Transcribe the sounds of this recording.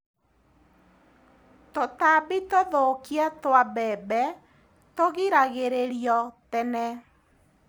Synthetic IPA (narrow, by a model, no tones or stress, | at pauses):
totabitoðokiatwabɛbɛ | toɣiɾaɣeɾeɾiɔtɛnɛ